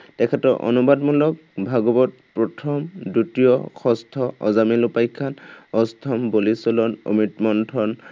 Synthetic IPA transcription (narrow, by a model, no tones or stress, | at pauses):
tɛkʰɛtɔɹʔɔ̰nubadmɔlɔk̚bʱaɡɔbɔt̚pɹɔtʰɔmdutijɔkʰɔstʰɔʔɔzamilupajkʰːanɔstʰɔmbolisɔlɔno̰mitmɔntʰɔn